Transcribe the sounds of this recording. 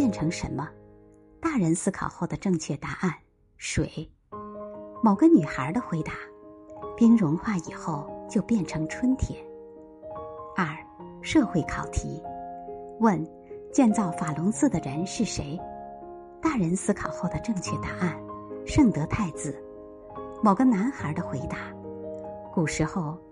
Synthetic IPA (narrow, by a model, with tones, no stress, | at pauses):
jɛ˥˩nʈ͡ʂʰɤ˧˥ŋʂə̰˧˥nmə˧ | t̪a˥˩ɻə˧˥nsɹ̩˥kʰɑ̰˨˩ʊxo˥˩ʊd̪ə˩ʈ͡ʂɤ˥˧ŋt͡ɕʰɥɛ˥˩t̪a˧˥ʔa˥˩n | ʂwe˨˩ɪ | mo˨˩ʊɡə˧ny˨˩xə˞˧˥d̪ə˧xwe˧˥ɪt̪a˧˥pi˥ŋɻʊ˧˥ŋxwa˥˩i˨˩xo˥˩ʊt͡ɕjo˥˧ʊpjɛ˥˩nʈ͡ʂʰɤ˧˥ŋʈ͡ʂʰwə˥nt̪ʰjɛ˨˩˦n | ə˞˥˩ʂɤ˥˧xwe˥˩ɪkʰɑ˨˩ʊt̪ʰḭ˧˥ | wə˥˧n | t͡ɕjɛ˥˧nt͡sɑ˥˩ʊfa˨˩lʊ˧˥ŋsɹ̩˥˩d̪ə˩ɻə˧˥nʂɻ̩˥˩ʂe˧˥ɪ | t̪a˥˩ɻə˧˥nsɹ̩˥kʰɑ˨˩ʊxo˥˩ʊd̪ə˩ʈ͡ʂɤ˥˧ŋt͡ɕʰɥɛ˥˩t̪a˧˥a˥˩nʂɤ˥˩ŋt̪ɤ˧˥t̪ʰa˥˩ɪt͡sɹ̩˨˩ | mo˨˩ʊɡə˧na˧˥nxə˧˥d̪ə˧xwe˧˥ɪt̪a˧˥ | ku˨˩ʂɻ̩˧˥xo˥˧ʊ